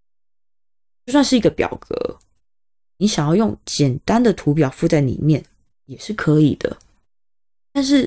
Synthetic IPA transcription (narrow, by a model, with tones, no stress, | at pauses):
ʊswa˥˧nʂɻ̩˥˩i˧˥ɡə˧pjɑ̰˨˩ʊkɤ̰˧˦ | ni˨˥ɕjɑ˨ŋjɑ˥˧ʊjo˥˩ŋt͡ɕjɛ˨˩nt̪a˦nd̪ə˨t̪ʰu˧˥p̬jɑ˨˩ʊfu˥˧t͡sa˥˩ɪlḭ˨˩mjɛ˥˩n | jɛ˨˩ʂɻ̩˥˩kʰɤ˨˧˦i˨˩d̪̥ə̰˦ | t̪a˥˧nʂ̬ɻ̩˥˩